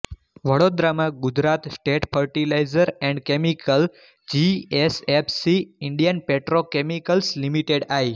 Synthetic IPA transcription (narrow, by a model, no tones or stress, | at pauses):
ʋəɽod̪ɾamãɡʊd͡ʒɾat̪sʈeʈfʰəɾʈilajzəɾɛ̃ɳɖkemikəl | d͡ʒiesepʰsiɪɳɖijənpeʈɾokemikəlslimiʈeɽaj